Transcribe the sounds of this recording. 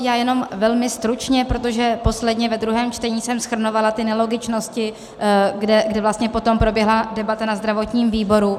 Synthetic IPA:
jaːjɛno̞mvɛlmɪst̪ɾut͡ʃɲɛpɾot̪o̞ʒɛpo̞slɛdɲɛvɛd̪ɾuɦɛːmt͡ʃt̪ɛɲiːsɛmsxr̩novalat̪ɪnɛlo̞ɡɪt͡ʃno̞scɪ | ɡdɛɡdɛvlast̪ɲɛpo̞t̪o̞mpɾo̞bjɛɦladɛbat̪anazd̪ɾavo̞t̪ɲiːmviːbo̞ɾu

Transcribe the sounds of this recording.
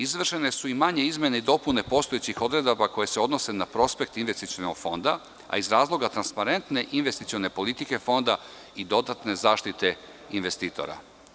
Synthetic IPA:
izʋr̩ʃene̞suimaɲe̞izme̞neid̪o̞pune̞po̞ːst̪o̞et͡ɕixo̞d̪ɾe̞d̪abako̞je̞seo̞d̪no̞se̞napɾo̞spe̞k̚t̪inʋe̞st̪it̪iono̰ɡ̥fo̞nd̪a̰ | a̰izɾaːzlˠo̞ɡat̪ɾanspaɾe̞nt̪ne̞ʔinʋest̪it̪io̞ne̞po̞lit̪ike̞fo̞nd̪a | id̪o̞d̪at̪ne̞zaːʃt̪it̪e̞ | inʋe̞st̪iːt̪o̰ɾa̰

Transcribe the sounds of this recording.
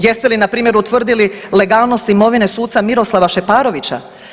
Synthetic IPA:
je̞st̪e̞linapɾiːmje̞ɾut̪ʋr̩d̪ilile̞ɡaːlˠno̞st̪imo̞ʋine̞suːt̪samiɾo̞slˠaʋaʃe̞paːɾo̞ʋit͡ɕa̰

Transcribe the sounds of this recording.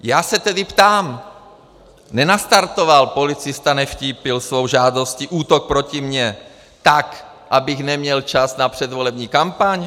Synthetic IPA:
jaːsɛt̪ɛdɪpt̪aːm | nɛnast̪aɾt̪ovalpo̞lɪt͡sɪst̪anɛfciːpɪlsvo̞wʒaːd̪o̞sciʔuːt̪ok̚pɾo̞cimɲɛ | t̪ak | ʔabɪxnɛmɲɛlt͡ʃasnapr̝̥ɛd̪volɛbɲiːkampaɲ

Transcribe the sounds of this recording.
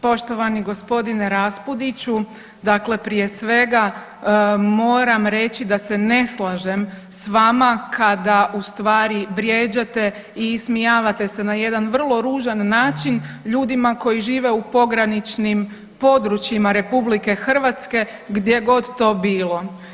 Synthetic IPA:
po̞ʃt̪o̞ʋaniɡo̞spo̞d̪ineɾaspud̪it͡ɕu | d̪akle̞pɾije̞sʋe̞ɡa | mo̞ːɾamɾe̞t͡ɕid̪ase̞ne̞slˠaʒe̞m | sʋamakʰad̪aʔust̪ʋaːɾibɾjeːd͡ʑat̪e̞ | ismijaːʋat̪e̞se̞naje̞d̪anʋr̩lˠo̞ɾuːʒanːaːt͡ʃinʎuːd̪imako̞jiʒiːʋe̞upo̞ɡɾanit͡ʃnim | po̞d̪ɾut͡ʃjimaɾe̞publike̞xr̩ʋat̪ske̞ | ɡd̪je̞ɡo̞d̪t̪o̞ːbiːlˠo̞

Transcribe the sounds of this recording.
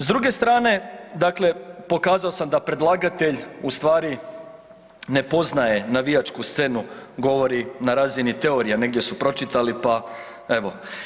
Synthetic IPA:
zd̪ɾuɡe̞st̪ɾaːne̞d̪akle̞po̞kaːzao̞samd̪apɾe̞d̪lˠaɡat̪e̞ʎust̪ʋaːɾi | ne̞po̞znaje̞naʋijat͡ʃkust̪se̞nuɡo̞ʋo̞ɾinaɾaːzinit̪e̞o̞ɾijane̞ɡ̚d̪ʲje̞supɾo̞t͡ʃit̪alipa | e̞ʋo̞

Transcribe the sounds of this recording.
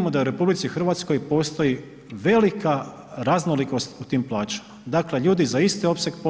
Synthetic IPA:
mod̪auɾe̞publit̪sixɾr̩ʋat̪sko̞jpo̞ːst̪o̞ji | ʋe̞lika | ɾaznoliko̞st̪ut̪iːmplˠaːt͡ʃḁmad̪akle̞ʎuːd̪izaist̪io̞pseɡp

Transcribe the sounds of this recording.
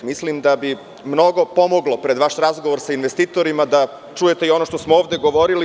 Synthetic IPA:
mislimd̪abi | mno̞ɡo̞po̞moɡlˠo̞pɾe̞d̪ʋaʃɾazɡoʋoɾsainʋe̞st̪iːt̪o̞ɾimad̪a | t͡ʃuje̞t̪e̞io̞noʃt̪osmooːʋd̪e̞ɡo̞ʋo̞ɾili

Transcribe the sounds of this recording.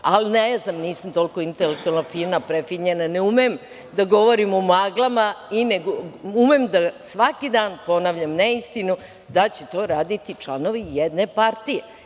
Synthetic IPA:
alineznaːmniːsamt̪o̞lkoint̪elek̚t̪ualnafiːɾmapɾefiɲenaneumem | d̪aɡo̞ʋoɾimumaɡlˠamaineɡoumemd̪asʋakid̪aːnpo̞naːʋʎamneist̪inu | d̪at͡ɕet̪o̞ɾaːd̪it̪it͡ʂlˠano̞ʋijed̪ne̞paɾt̪ije

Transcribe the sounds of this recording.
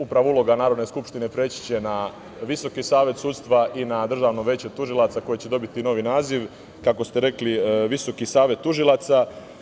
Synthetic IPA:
upɾaʋoulˠo̞ɡanaːɾo̞d̪ne̞skupʃt̪ine̞pɾeːt͡ɕi̥t͡ɕe̞na | ʋiso̞kisaːʋje̞t̪suːt̪st̪ʋaʔinad̪r̩ʒaːʋnoʋʲe̞ːt͡ɕet̪uʒilˠat̪sako̞jet͡ɕe̞d̪o̞bit̪ino̞ʋinaːziʋ | kako̞st̪e̞ɾe̞kliʋiso̞kisaːʋe̞t̪ːuʒilat̪sa

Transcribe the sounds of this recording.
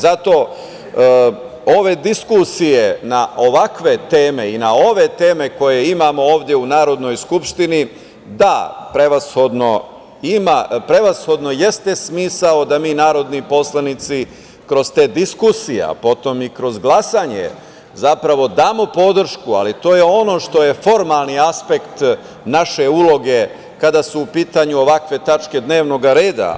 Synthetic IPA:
zat̪o̞ | o̞ʋe̞d̪iskusije̞naʔo̞ʋakʋe̞t̪e̞ːme̞inao̞ʋe̞t̪e̞ːme̞ko̞je̞imaːmo̞oːʋd̪jeunaːɾo̞d̪no̞jskupʃt̪ini | d̪apɾeʋasho̞d̪no̞ | imapɾe̞ʋasxo̞d̪no̞je̞st̪e̞smiːsao̞d̪amiːnaːɾo̞d̪nipo̞slˠanit̪si | kɾo̞zt̪e̞ːd̪iskusijḛpo̞t̪o̞mikɾo̞zɡlˠasaːɲḛ | zapɾaʋo̞d̪aːmo̞po̞d̪r̩ʃkua̰lit̪o̞ːjeo̞no̞ʃt̪o̞je̞fo̞ɾmalˠniaspe̞kt̪ | naʃe̞ulˠo̞ɡe̞ | kad̪asuːpiːt̪aɲuo̞ʋakʋe̞t̪at͡ʃke̞d̪ne̞ːʋno̞ɡaɾe̞ːd̪a̰

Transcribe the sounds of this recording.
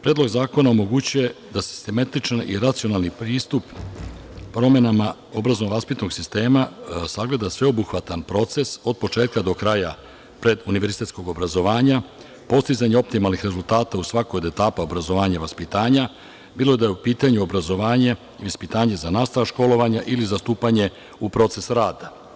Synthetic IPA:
pɾe̞ːd̪lo̞ɡzaːko̞naomo̞ɡut͡ɕuje̞d̪asi̥st̪emat̪it͡ʃanḭɾat̪sijo̞nalˠnipɾiːst̪up | pːɾo̞me̞nama | o̞bɾazonoʋaspit̪no̞ɡsist̪e̞ːmasaɡle̞d̪asʋe̞o̞buxʋat̪anpɾo̞t̪se̞so̞d̪̚po̞t͡ʃe̞ːt̪̚kad̪o̞kɾaja | pɾe̞d̪uniʋeɾzit̪e̞t̪sko̞ɡo̞bɾazo̞ʋaːɲa | po̞st̪izaɲeo̞p̚t̪imalˠnixɾe̞zult̪aːt̪ausʋakojd̪e̞t̪aːpao̞bɾazo̞ʋaːɲaʋaspit̪aːɲa | biːlo̞ed̪ajeupiːt̪aɲuo̞bɾazo̞ʋaːɲe | iʋaspit̪aːɲe̞zanaːst̪aʋaʃko̞lo̞ʋaɲaʔilizast̪uːpaɲe̞ | upɾo̞t̪se̞sɾaːd̪a

